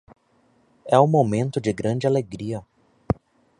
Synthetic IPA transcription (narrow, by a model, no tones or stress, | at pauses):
ɛũmomẽnt̪ʊd͡ʒɪɡɾɐ̃d͡ʒɪaleɡɾiɐ